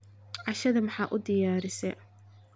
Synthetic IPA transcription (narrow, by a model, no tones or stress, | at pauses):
ʕɑʃɐðɐmɑħɑːʔʊd̪ɪjaːɾɪsɛ